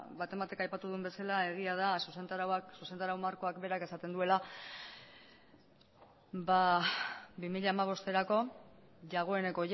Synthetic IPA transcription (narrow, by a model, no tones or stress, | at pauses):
βat̪e̞mbat̪e̞kajpat̪uðumbe̞salae̞ɣ̞iað̞asusent̪aɾawaksuse̞nd̪aɾawmaɾko̞akbe̞ɾake̞sat̪e̞nd̪ue̞la | ba | bimiʎaːmaβ̞o̞st̪e̞ɾako̞ | ʝaɣ̞o̞e̞ne̞ko̞ʝ